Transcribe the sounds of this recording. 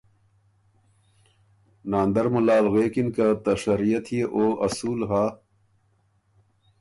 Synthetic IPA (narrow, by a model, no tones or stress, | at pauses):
naːnd̪ɐɾmulaːlɣeːkinkat̪ɐʂɐɾijɐt̪ʰhijeʔoːʔɐsuːlɦaː